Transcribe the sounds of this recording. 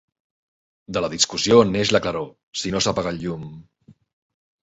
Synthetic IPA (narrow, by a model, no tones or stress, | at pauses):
d̪ələðiskusioneʃləkləɾo | sinosapaɣaʎum